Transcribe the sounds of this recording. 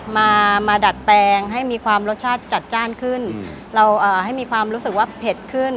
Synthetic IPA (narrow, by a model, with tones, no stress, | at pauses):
maː˧maː˧da˨˩t̪̚pɛː˧ŋɦa˥˩jmiː˧kʰwaː˧mɾo˦˥t̪̚t͡ɕʰaː˥˩t̪̚t͡ɕa˨˩t̪̚t͡ɕaː˥˩nkʰɯ˥˩n | ɾa˧wʔɤː˨˩ha˥˩jmiː˧kʰwaː˧mɾuː˦˥sɯ˨˩k̚waː˥˩pʰe˨˩t̪̚kʰɯ˥˩n